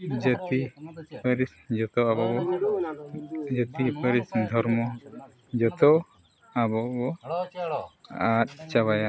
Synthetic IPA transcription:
d͡ʒət̪ipəɾisd͡ʒɔt̪ɔabɔbɔ | d͡ʒət̪ipəɾisd̪ʱɔɾmɔ | d͡ʒɔt̪ɔ | abɔbɔ | at̪̚t͡ʃaβaja

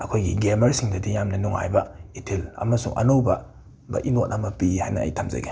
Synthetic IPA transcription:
ɐkʰojɡiɡemɐɾsiŋdɐdijamnɐnuŋa̰jbɐitʰilɐ̰mɐsuŋʔɐ̰nowbɐ | bɐ̰ʔinot̚ʔɐmɐpihajnɐ̰ːjtʰamzɐ̰ɡe

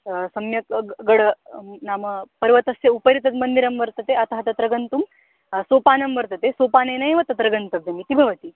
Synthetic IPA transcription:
sɐmjɐkɡɐɽɐnaːmɐpɐɾʋɐt̪ɐsjɐupɐɾit̪ɐt̪mɐnd̪iɾɐmʋɐɾt̪ɐt̪eɐt̪ɐɦɐt̪ɐt̪ɾɐɡɐnt̪um | soːpaːnɐmʋɐɾt̪ɐt̪esoːpaːneːnɐjʋɐt̪ɐt̪ɾɐɡɐnt̪ɐbʱjɐmit̪ibʱɐʋɐt̪i

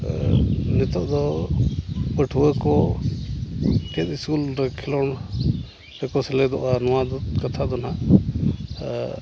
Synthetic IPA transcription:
nɛt̪ɔʔd̪ɔ | pəʈʰuəkɔ | kɛt̪iskulɾɛkʰɛlɔn | ɛkɔsɛlɛd̪ɔʔanɔwad̪ɔt̪kat̪ʰad̪ɔnaʔ

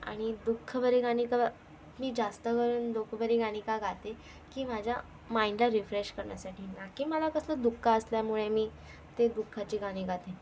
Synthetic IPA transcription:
a̰ɽ̃id̪ukʰːəbəɾeɡaɽ̃ikə | miːd͡zast̪əɡəɾuːnd̪okʰəbəɾeɡaɽ̃iːkaɡʱat̪e | kiːm̤ad͡ʑʱja | maiɳɖlaɾifɾeɕkəɾɳja̰saʈʰiːnakiːməlakəsləd̪ukʰːaəsljamuɭemiː | t̪ed̪ukʰːat͡ɕiːɡaɽ̃iːɡʱat̪e

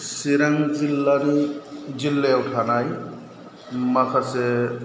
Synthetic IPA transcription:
siɾaŋzilːanid͡ʒilːɛʊtʰanaj | makʰasɛ

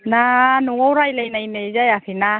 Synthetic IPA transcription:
nanuŋɔwɾajlajnained͡ʒajafina

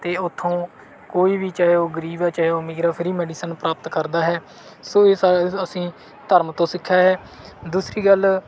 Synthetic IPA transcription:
t̪eːʊt̪ʰːõː | koːiːbiːt͡ʃaːɦeoːɡəɾiːbaːt͡ʃaːɦeoːmɪɡɾaːpʰɪɾiːmɛːɖiːsənpɾaːpət̪kəɾd̪aːɦɛː | soːeːsaːəsĩː | t̪əɾmt̪õːsɪkʰːaːɦɛː | d̪uːsɾiːɡəl

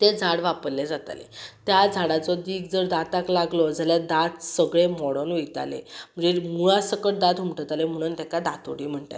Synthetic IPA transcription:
t̪ed͡zʱaɽʋapəɾled͡zat̪a̰lḛt̪jad͡zʱaɽat͡sɔd̪iːɡd͡zəɾd̪at̪aklaɡlɔd͡zaljad̪at̪səɡɭemɔɽɔnejt̪a̰lḛm̤əd͡zemuɭasəkəʈ̚d̪ad̪ɦumʈət̪alem̤əɽ̃uːnt̪ɛ̃kad̪at̪o̰ɽiːm̤əɳʈ̪a̰

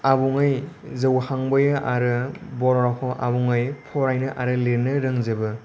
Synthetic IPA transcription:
abuŋɯjzɯwhaŋbɯjɯʔaɾɯbɔɾɾakʰɔʔabuŋɯjpʰɔɾajnɯʔaɾɯleɾnɯɾɯŋzebɯ

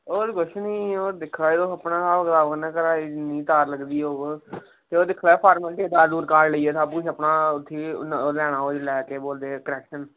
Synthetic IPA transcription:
oːɾɡʊʃʰnĩːoːɾd̪ɪkʰlaːed̪oːəpnãːsaːbəkt̪aːbəknɛ̃ːkəɾaːinĩːt̪aːɾləɡd̪iːoːɡ | t̪eːoːd̪ɪkʰlaːeːpʰaːɾməlʈeːd̪aːd̪uːɾkaːɾləiːɛːt̪aːbuʃəpnaːʊt̪ʰːiːlɛːɽ̃ãːoːd͡ʒlɛːkeːboːld̪eːkəɾɛːkʃən

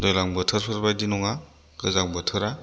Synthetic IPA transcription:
dɔjlaŋbɯtʰɯɾpʰɯɾbajdinɔŋa | ɡɯzaŋbɯtʰɯɾa

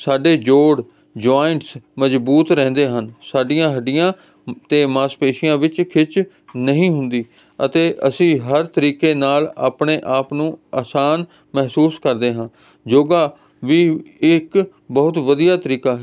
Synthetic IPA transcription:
saːɖeːd͡ʒoːɽ | d͡ʒoːɪɳʈsməzbuːt̪ɾɛ̃ːnd̪eːɦənsaːɖɪjãːɦəɖɪjãː | t̪eːmaːspeːʃɪjãːʋɪt͡ʃkʰɪt͡ʃ | nəɦĩːɦʊnd̪iː | ət̪eːʔəsĩːɦəɾt̪əɾiːkeːnaːla̰ːpɳeːʔaːpnũːaːsaːn | mɛɦsuːskəɾd̪eːɦãː | d͡ʒoːɡaː | ʋiːɪk | bəɦʊt̪ʋəd̪ijaːt̪əɾiːkaːɦɛ

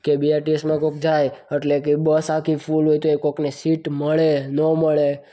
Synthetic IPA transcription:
kebiaɾʈiesmãkok̚d͡ʒajəʈlek̬ebəsakʰifulɦojt̪oekoknesiʈməɭenəməɭe

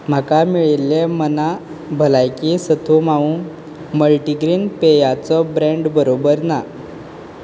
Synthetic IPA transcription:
m̤akamiɭilːeməna | bʱəlajkisət̪ʰumaũ | məlʈiɡɾiːnpejat͡sɔbɾẽɳɖbəɾobəɾna

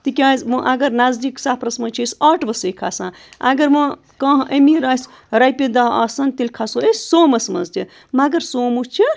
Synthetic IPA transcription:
t̪ikʲazmɨʔɐɡɐɾnazd̪iksaːpʰɾɐsmɐt͡ʃʰisaʈbɐsɐjkʰasãː | ɐ̰ɡɐɾmɐ | kɐɦʔɐmiɾaːsʲ | ɾajpid̪aɦɐsɐnt̪ilʲkʰasoessoːmɐsmɐ̰nzt̪i | maɡɐɾsoːmut͡ʃʰi

